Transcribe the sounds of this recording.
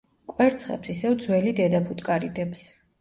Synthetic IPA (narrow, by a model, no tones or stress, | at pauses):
kʼwɛɾt̪sʰχɛ̰psisɛvd̪zwɛlid̪ɛd̪apʰut̪ʼkʼaɾid̪ɛps